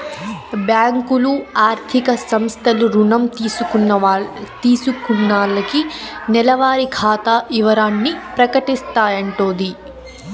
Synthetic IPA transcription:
bjaːŋkuluaːɾt̪ʰikɐsɐmst̪ʰɐluɾuɳɐmt̪iːsukunːɐt̪iːsukunːaːɭɐkinɛlɐʋaːɾikʰaːt̪aːʔiʋɐɾaːnːipɾɐkɐʈist̪aːjɐɳʈoːnd̪i

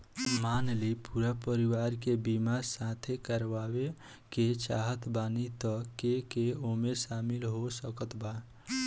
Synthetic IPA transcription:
manlipuɾapəɾiwaɾkebimaɾsãt̪ʰekəɾʋawe | ket͡ʃaɦət̪banit̪ɔkekeomesamilɦosəkət̪ʰba

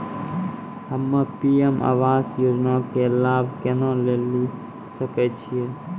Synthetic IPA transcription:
ɦəmːəpiema̰ːʋaːsjud͡ʒnõkelaːbʱkenõleːli | səkɛt͡ʃʰie

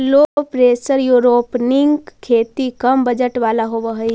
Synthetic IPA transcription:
lopɾeːsəɾjuːɾoːpnɪŋɡkʰːeːt̪ikɐmbəd͡ʒəʈʋaːlaɦoʋəɦi

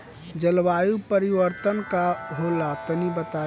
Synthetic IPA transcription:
d͡ʒəlʋajupəɾiʋəɾt̪ənkaɦolat̪ənibət̪a

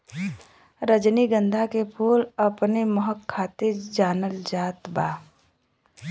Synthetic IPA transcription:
ɾəd͡ʒniɡə̃nd̪ʱakepʰuːlɐpneməɦəkʰːaːt̪iɾd͡ʒaːnəld͡ʒaːt̪baː

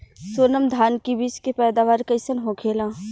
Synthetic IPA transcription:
soːnəmd̪ʱaːnkibit͡ʃkepɛːd̪aːʋaːɾkəɪsənɦõkʰeːlãː

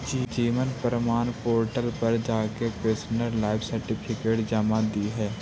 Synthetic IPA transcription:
d͡ʒiːd͡ʒiːmənpəɾəmaːnpoːɾʈəlpəɾd͡ʒaːkepeːsnəɾlaːɪbsəɾʈɪpʰɪkeːʈd͡ʒəmad̪iɦɛː

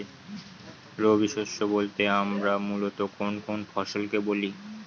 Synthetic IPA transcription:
ɾobiʃoʃobolt̪eamɾamulot̪okonkonfɔʃolkeboli

